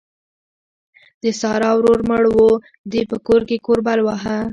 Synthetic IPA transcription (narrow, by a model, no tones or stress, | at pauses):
d̪əsɑɾɑwɾoɾməɽwo | d̪epəkoɾkekoɾbalwaɦa